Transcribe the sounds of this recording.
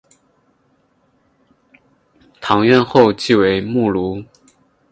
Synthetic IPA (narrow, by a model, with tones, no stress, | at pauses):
t̪ʰɑ˧˥ŋɥɛ˥˧nxo˥˧ʊt͡ɕi˥˩we˧˥ɪmu˥˩lu˧˥